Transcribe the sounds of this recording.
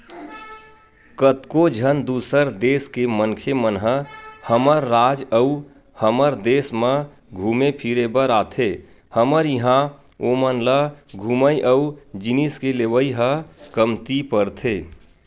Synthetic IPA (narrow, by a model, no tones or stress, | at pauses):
kət̪kod͡ʒʱənd̪uːsəɾd̪eːskemənkʰemənɦəhəməɾːaːd͡ʒəu | həməɾd̪eːsmə̃ | ɡʱuːmepʰiɾebəɾaːt̪ʰe | həməɾjəɦã | omənləɡʱuməjʔəud͡ʒiniskeleʋəiɦəkəmt̪ipəɾt̪ʰeː